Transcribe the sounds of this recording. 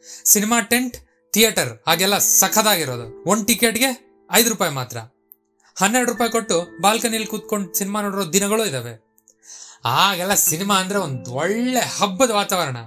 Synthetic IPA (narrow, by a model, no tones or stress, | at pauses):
sinimaːʈe̞ɳʈ | t̪ijɐʈɐɾaːɡɛlːɐsɐkʰɐd̪aːɡiɾo̞ːd̪uonʈikeːʈɡe̞ | ɐjd̪uɾupaːjmaːt̪ɾɐ̰ | hɐnːeɾɽɾupaːjko̞ʈːubaːlkɐnilkuːt̪̚ko̞ɳɖsinimaːnoːɽiɾoːd̪inɐɡɐɭuːid̪ɐːʋe̞ | aːɡɛlːɐsinimaːɐnd̪ɐɾe̞ond̪uɔɭːehɐbːɐd̪ɐʋaːt̪aːʋɐɾɐɳɐ̰